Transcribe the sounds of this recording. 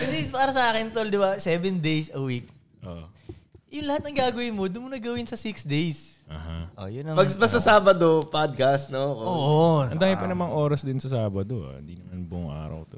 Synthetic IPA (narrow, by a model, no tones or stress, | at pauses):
kɐsɛpaːɾɐsɐaːkɪnt̪old̪ɪbasɛːvɛnd̪ejsɐwik̚ | ʔoʔjʊŋlɐhat̪̚nɐŋɡaːɡɐwɪnmod̪ʊnmonɐɡɐwɪnsɐsɪksd̪ejsʔɐhaʔojʊnɐpɐɡbɐst̪ɐsaːbɐd̪opad̪̚kɐst̪nooːʔoɐnd̪aːhɪpɐnɐmɐŋʔoːɾɐsd̪ɪnsɐsaːbɐd̪oa̰ɪ̰nd̪inɐmanbʊʔʊŋʔa̰ːɾɐ̰wt̪o